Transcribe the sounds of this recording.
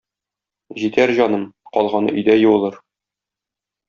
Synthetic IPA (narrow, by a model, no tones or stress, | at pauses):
ʑit̪æɾʑɒnɤmqɒlˠʁɑnɤ̰ʔɵ̆jd̪æjɤ̆wɤ̆lˠɤɾ